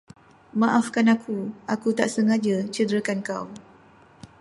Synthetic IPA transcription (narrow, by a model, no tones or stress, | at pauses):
mãʔafkanakʰuakut̪aʔsəŋad͡ʒat͡ʃəd̪ɾəkanka̰w